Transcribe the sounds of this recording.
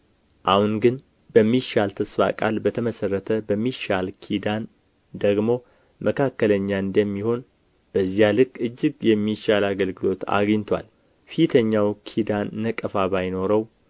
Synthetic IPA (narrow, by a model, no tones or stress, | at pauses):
ʔahunɡɨn | bəmːiʃalt̪ʰəsfa̰kʼa̰lbət̪ʰəməsərːət̪ʰəbəmːiʃalkʰid̪an | d̪əɡmo̞ | mʔəkʰakːələɲːaɨnd̪əmːiho̞n | b̥əzijalɨkʼːɨd͡ʒːɪɡjɛmːiʃalaɡəlɡɨlo̞t̪a̰ɡɲt̪ʰa̰l | fit̪ʰəɲːawkʰid̪anːəkʼəfaβajno̞ɾəw